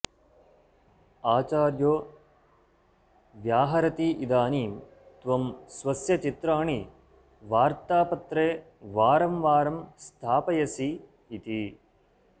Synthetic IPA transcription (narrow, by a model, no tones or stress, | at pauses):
aːt͡ʃaːɾjoː | ʋjaːɦɐɾɐt̪iʔid̪aːniːm | t̪ʋɐmsʋɐsjɐt͡ʃit̪ɾaːɳi | ʋaːɾt̪aːpɐt̪ɾeː | ʋaːɾɐmʋaːɾɐmst̪ʰaːpɐjɐsiː | t̪i